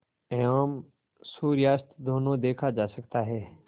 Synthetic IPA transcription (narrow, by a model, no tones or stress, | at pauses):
ɛaːm | suːɾjaːst̪d̪oːnõd̪eːkʰad͡ʒaːsəkt̪aɦɛː